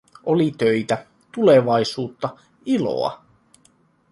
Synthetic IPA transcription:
ʔolit̪øjt̪æ | t̪uleʋɑjsuːt̪ːɑ | ilo̞̰ɑ̰

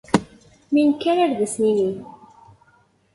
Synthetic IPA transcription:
minkːæɾaɾðəsnini

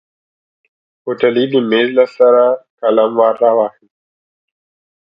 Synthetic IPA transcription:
otaliɗimezlasaɾakalamvarawaxi

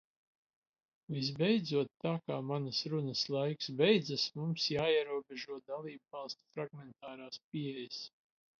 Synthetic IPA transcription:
vis̬bɛjd̪zuɔt̪ːaːkaːmanɐsɾunɐslˠajksbɛjd̪zasmumsjaːiɛɾuɔbʲeʒuɔd̪alˠiːbvɑlˠst̪u̥fɾaɡmɛnt̪aːɾaːsp̚iɛjəs

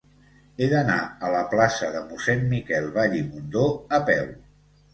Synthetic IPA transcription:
eðənaələplasəðəmusɛnmikɛlˠβaʎimund̪oəpɛw

